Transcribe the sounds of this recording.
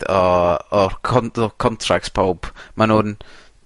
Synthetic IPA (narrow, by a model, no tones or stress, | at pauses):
ɔɔkʰɔɔkʰɔntʰrak̚tpʰowb̥manhuːn